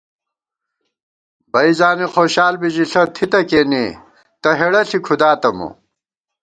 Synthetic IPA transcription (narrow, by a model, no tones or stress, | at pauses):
bɐizaːnixoːɕaːlbiʑiɬɐt̪ʰit̪ɐkeːni | t̪ɐɦeɽɐɬikʰud̪aːt̪ɐmṵ